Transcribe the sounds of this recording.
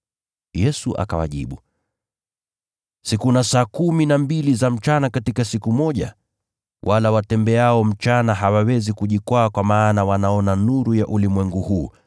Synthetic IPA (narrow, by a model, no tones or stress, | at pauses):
jɛsuʔa̰ka̰wa̰ʄḭɓu | sikunasaːkuminambilizam̩t͡ʃanakatikasikumɔʄa | wʔalawatɛmbɛaɔm̩t͡ʃanaɦawawɛzikuʄikwaːkwamaːnawanaɔnanuɾujaʔulimwɛŋɡuhuː